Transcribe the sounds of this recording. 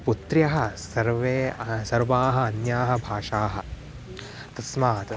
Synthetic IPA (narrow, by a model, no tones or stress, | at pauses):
put̪ɾjɐɦɐ̆sɐɾʋeːsɐɾʋaːɦɐ̆ɐnjaːɦɐ̆bʱaːʂaːɦɐ̆ | t̪ɐsmaːt̪